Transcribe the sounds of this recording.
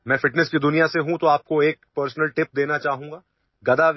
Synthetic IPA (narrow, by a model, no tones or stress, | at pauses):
mɛ̃ːfɪʈnɛskid̪ʊnijaseɦũt̪oaːp̚koeːk̚pəɾsnəlʈɪp̚d̪eːnat͡ʃaːɦũːŋɡaː | ɡɐd̪aʋ